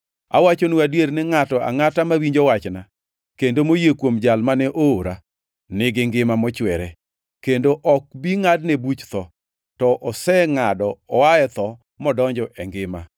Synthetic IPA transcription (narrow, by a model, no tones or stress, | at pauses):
a̰wat͡ʃonuadjeɾnɪŋatɔa̰ŋatamawiɲd͡ʒɔwat͡ʃna | kendomojekwomd͡ʒalmanɛʔooɾa | nɪɡɪŋɡɪmamɔt͡ʃwɛɾɛ | kendoʔɔk̚biŋadnebut͡ʃt̪ɔ | tɔʔɔsɛŋadɔɔaɛt̪ɔ | mɔdɔɲd͡ʒɔʔɛŋɡɪma̰